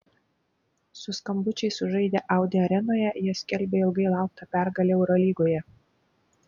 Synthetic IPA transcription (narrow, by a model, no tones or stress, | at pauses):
sʊskɐmbʊt͡ʃʲɛɪsʊʒɐɪd̪ʲeʔɑˑʊd̪ʲeɐɾʲɛnoːjɛjiɛsʲkʲɛlʲbʲeɪlˠɡɐɪlˠɑˑʊk̚t̪ɐpʲæɾɡɐlʲeɛʊɾolʲiːɡoːjɛ